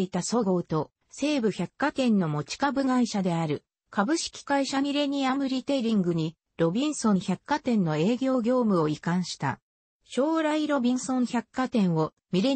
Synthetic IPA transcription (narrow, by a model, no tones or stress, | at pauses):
it̪aso̞ɡo̞ːt̪o̞ | se̞ːbɯ̟çakːat̪ẽ̞nːo̞mo̞t͡ɕi̥kabɯ̟ɡaiɕad̪e̞aɾɯ̟ | kabɯ̟ɕi̥kʲi̥kaiɕamʲiɾe̞ɲ̟iamɯ̟ɾʲit̪e̞ɾʲĩŋɡɯ̟ɲ̟i | ɾo̞bʲĩɰ̃sõ̞ɰ̃çakːat̪ẽ̞nːo̞e̞ːɡʲo̞ːɡʲo̞ːmɯ̟o̞ikãɰ̃ɕi̥t̪a̰ | ɕo̞ːɾaiɾo̞bʲĩɰ̃sõ̞ɰ̃çakːat̪ẽ̞ɰ̃o̞ | mʲiɾe̞